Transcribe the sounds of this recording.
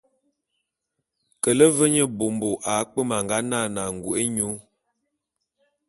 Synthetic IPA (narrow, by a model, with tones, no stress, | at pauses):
kə˨lə˦və˦ɲə˦bo˨mbo˨ʔa˨˦k͡pə˦ma˨ŋɡa˦na˦˨na˨ŋ̩˨ɡu˨ʔe˦ɲu˨˦